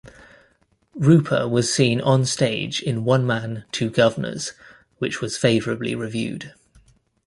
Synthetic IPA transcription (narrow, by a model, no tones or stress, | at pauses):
ɹʉˑpʰə̰wɒz̥sĩːnə̃nsteɪd͡ʒɪ̃nwʌ̃nmãntʰʉːɡʌvənə̰z̥ | wɪt͡ʃwɒz̥feɪvəɹəblḭɹɪvjʉ̰ːd̥